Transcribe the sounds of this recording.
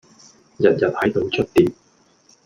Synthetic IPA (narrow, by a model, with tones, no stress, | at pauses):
jɐ˨t̚jɐ˨t̚hɐ˨˥jt̪o˨˧wt͡ʃʰɵ˥t̚t̪iː˨p̚